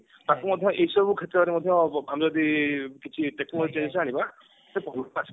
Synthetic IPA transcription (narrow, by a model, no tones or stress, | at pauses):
t̪akumɔd̪ʱjɔ̃ʔeɦisɔbukʰet̪ɾɔaɾemɔd̪ʱjɔ̃amizɔd̪ikit͡ʃʰiʈek̚imɔlit͡ʃensaɽ̃iba | sepɔɦulasʰ